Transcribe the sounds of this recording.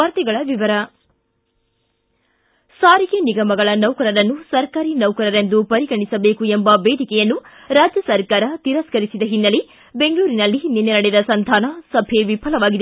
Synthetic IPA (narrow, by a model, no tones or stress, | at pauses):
ɐɾt̪ɛɡɐɭɐʋiʋɐɾɐ | saːɾiɡeniɡɐmɐɡɐɭɐnɐwkɐɾɐɾɐnːusɐɾkaːɾinɐwkɐɾɐɾe̞nd̪upɐɾiɡɐɳisɐbe̞ːkue̞mbɐbeːd̪ʱikɛjɐnːu | ɾaːd͡ʒjɐsɐɾkaːɾɐt̪iɾɐskɐɾisid̪ɐɦinːɐli | be̞ŋɡɐɭuːɾinɐlːininːɛnɐɽɛd̪ɐsɐnd̪ʱaːnɐsɐbʱeʋipʰɐlɐʋaːɡid̪e